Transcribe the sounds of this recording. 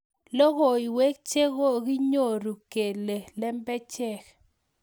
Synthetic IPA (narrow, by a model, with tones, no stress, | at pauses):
lɔ˦ɣɔ˨i˨we˦k̚t͡ʃe˦ɣo˦ɡi˦ɲo˦˨ɾu˨ke˨le˨lɛ˦mbɛ˦t͡ʃɛ˦˨k